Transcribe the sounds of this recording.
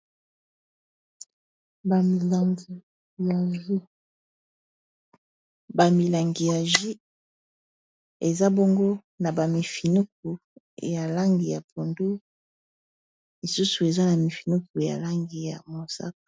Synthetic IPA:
ba˨mi˨la˨ŋɡi˨ | ja˨zu˦ | ba˨mi˨la˨ŋɡi˨ja˨ʒi˦ | e˨za˦bo˦ŋɡo˦ | na˨ba˨mi˨fi˨nu˦k̚u˨ | ja˨la˦ŋɡi˨ja˨pʰo˨ndu˦ | li˨su˦su˨e˨za˦na˨mi˨fi˨nu˦ku˨ja̰˨la˦ŋɡi˨ja˨mo˨sa̰˦k̚o̥˨

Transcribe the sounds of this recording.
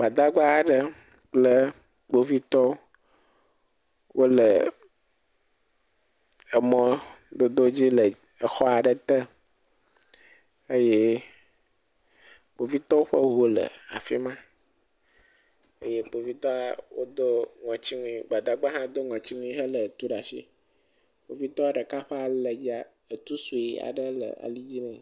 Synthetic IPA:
ɡ͡ba˨d̪a˦ɡ͡ba˦a˨ɖə˨ | k͡plə˦ | ɡ͡bo˦vi˦t̪ɔ˦ | wʔo˦lə˨ | ɛ˨mɔ̃˦ | d̪o˦d̪o˦d͡ʑi˦lə˨ | e˨xɔ˦a˨ɖə˨t̪ɛ˦ | e˦je˦ | k͡po˨vi˦t̪ɔ˦wo˦ɸə˦ɦo˦lə̰˨a̰˨fi˦mã˦ | ə̰˦je˦k͡po˨vi˦t̪ɔ˦a˦˨wo˦d̪o˦ŋɔ̃˨t͡ɕi˦ŋũ˦i˦ɡ͡ba˨d̪a˦ɡ͡ba˦ɦã˦d̪o˦ŋɔ̃˨t͡ɕi˦ŋũ˦i˦ɦə˦lə˨t̪u˦ɖa˨sḭ˦ | k͡po˨vi˦t̪ɔ˦a˦ɖə˨ka˦ɸɛ˦a˨lə˨d͡ʑi˦a˦˨ | ə˨t̪u˦su˨i˦a̰˨ɖə˦lə̰˨a̰˨li˦d͡ʑi˦nɛ̃˨

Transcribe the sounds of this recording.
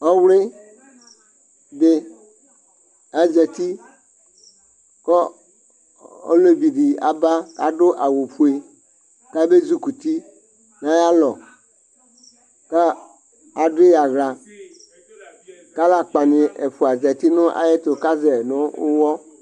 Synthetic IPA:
ɔ˦wle˦ | be˦ | a˦zɛ˨t̪i˦ | kɔ˦ | o̰˦le˦bi˨ɖi˨a̰˨ba˦ka̰˦ɖo˦ʔa˨wo˨ɸu˦e˨ | ka˦be˦zu˦ku˨t̪i˦ | nã˨˦ja˦lɔ˨ | ka˦ | a˨ɖe˦ja˨ɣla˨ | ka˦la˨k͡pa˨nĩ˨ʔe˨ɸu˨a˨zɛ˨t̪i˦nʊ̃˦ʔa̰˨je˦t̪o˨ka˦zɛ˨nʊ̃˦o˦wɔ˦

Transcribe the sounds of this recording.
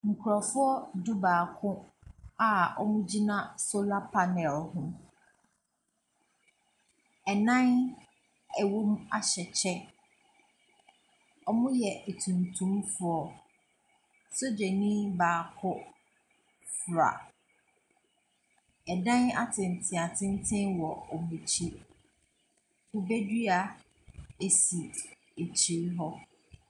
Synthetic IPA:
ŋ̩˨kʰu˨ɾa˨fʊ˦ɔ˦du˦baː˨kʰʊ̃˦a˨ɔ̰˦mʊ̃˦d͡ʑi˦nã˦so˦la˦pʰa˨nɛ˨lhʊ̃˦ | ɛ˨nã˦n | ɛ˨wo˦m˦a˨ɕɛ˨t͡ɕʰɛ˦ | ɔ˦mʊ̃˦jɛ˨ʔe˨tʰũ˨ntʰũ˦mfʊ˨ɔ˨ | so˦d͡ʑɛ˨nĩ˦baː˨kʰʊ˦ | fɾa̰˨ | ɛ˨dã˦na̰˦tʰɪ̃˨n˨tʰɪ̃˨a˨tʰɪ̃˦n˦tʰɪ̃˦nwɔ˨ɔ˨mũ˨t͡ɕʰi˦ | kʊ˨be˦dɥa˨ | e˨si˨ | e˨t͡ɕʰi˨ɾɦɔ˦

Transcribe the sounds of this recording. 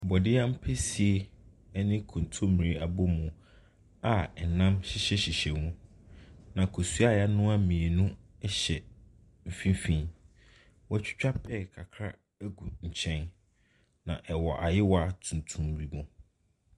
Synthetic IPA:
bɔ˨dɪ˦a˦m̩˦pʰɛ˦si˨e˨ | ɛ˦nɪ̃˦kʰʊ̃˨n˨tʰo˦mĩ˨ɾi˦a˨bo˦mũ˨ | a˨ɛ˨nã˦mɕɪ˦ɕɛ˦ɕɪ˨ɕɛ˨nũ˦ | nã˨kʰo˨su˦a˦ja˦nʊ̃˦a˦mĩ˨e˨nũ˦ɛ˦ɕɛ˨ | m̩˨fĩ˦fĩ˦ | wɔ˦t͡ɕᶣɪ̥˦t͡ɕᶣa˦pʰɛ˦kʰa˨kʰɾa̰˦ | æ˦ɡu˨ɲ̩˨t͡ɕʰɛ̃˦n | nã̰˨ʔɛ˨wɔ˨ʔa˨jɪ˦wɔ˦a˨tʰũ˨n˨tʰũ˨m˨i˨mɔ̃˨

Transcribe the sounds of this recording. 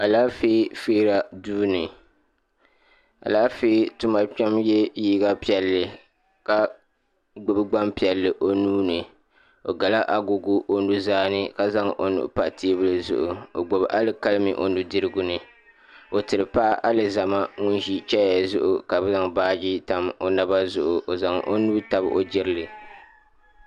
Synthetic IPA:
a˨laː˦feː˦feː˦ɾa˨duː˦nɨ˨ | a̰˨laː˦feː˦tʊ˦ma˨t͡ʃa˦mjɛ˦jiː˦ɡa˦pi˦ɛ˨lːɨ˨ | ka˦ | ɡ͡bʊ˨bɨ˦ɡ͡ba˦mpi˨ɛ˨lːɨ˨ʔo˦nuː˦nɨ˨ | o˨ɡa˨la˦ʔa˦ɡʊ˨ɡʊ˦ʔo˦nu˦zaː˦nɨ˦ka˦za˦ŋʔo̰˨nṵ˨ʔpa˨ʔtʰeː˦bɨ˦lɨ˦zʊ̰˦ʔʊ˨o˨ɡ͡bo˨bʔa˦lɨ˦ka˦lmɨ̰˨ʔo˨nu˦dɨ˦ɾɨ˦ɡʊ˦nɨ˨ | o˨tɨ˨ɾɨ˨pa˦ʔʔa˦lɨ˨za˨ma˦ŋʊ˦nʒi˦t͡ʃɛ˦jɛ˨zʊ˦ʔʊ˨ka˨bɛ˦za˨ŋbaː˦d͡ʒi˦ta˨mo˨na˦ba˦zʊ˦ʔʊ˨ʔo˨za˨ŋʔo̰˦nuː˦ta˨bʔo̰˨d͡ʒɪ˦ɾɨ˦lɨ˨

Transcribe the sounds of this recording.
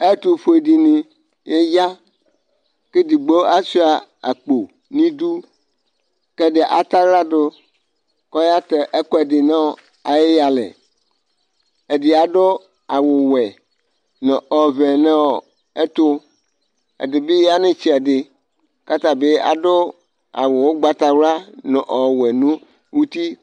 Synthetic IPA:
e˦t̪o˦ɸo˦e˨di˨nĩ˨ | je˦ja˦ | ke˦d̪i˨ɡ͡bo˦a˦si˦a˨a̰˨k͡po˨ | nĩ˦d̪u˦ | ke˦de˨ʔa˨t̪a˦ɣla˦do˦ | kɔ˦ja˦t̪e˨ʔe˦kɔ˦e˨dɪ˨nã˦˨ | a˨je˦ja˨lḛ˨ | e˨di˨a˨ɖo˦ | a˨wo˨wɛ˨ | nɔ̃˨ɔ˨vɛ˨nẽ˦wɔ˨ | e˦t̪o˦ | ḛ˨de˨be˦ja˦nẽ˦t͡ɕi˦a˨ɖɪ˨ | ka˦t̪a˨be˦a̰˨ɖo˦ | a̰˨wo˨wo˦ɡ͡ba˦t̪a˦wla˦nɔ̃˨ʔɔ˨wɛ˨nũ˦ | wu˦t̪i˦

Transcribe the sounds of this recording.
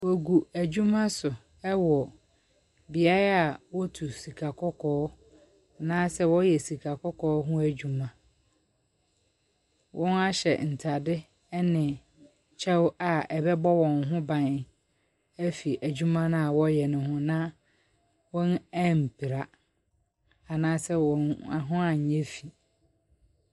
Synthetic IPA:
wɔ˨ɡu˨æ˨d͡ʑᶣu˦mã˦sʊ˨ | ɛ˦wɔ˨ | bi˨a˦ɾa˦a˨wɔ˦tʰu˨si˨kʰa˨kʰɔ˦kʰɔː˦ | nã˦sɛ˦wɔ̃˦jɛ˨si˨kʰa˨kʰɔ˦kʰɔː˨˦ɦʊ̃˦æ˦d͡ʑᶣu˨mã˨ | wʔɔ̃˦na˦ɕɛ̰˨n̩˨tʰa˨dɪ˦ | nɪ̃˨ | t͡ɕʰɛ˦wa˨ɛ˨bɛ˦bɔ˦wɔ̃˨nɦʊ̃˦bã˨n˨ | æ˦fi˨ʔæ˨d͡ʑᶣu˦mã˦nã˦a˨wɔ˦jɛ˨nʊ̃˨ɦʊ̃˦nã˦ | wɔ̃˦næ˦m̩˨pʰi˨ɾa˨ | a˨nãː˦sɛ˦wɔ̃˨na˨ɦʊ̃˦a˨ɲ̩˨ɲɛ̃˦fi˨

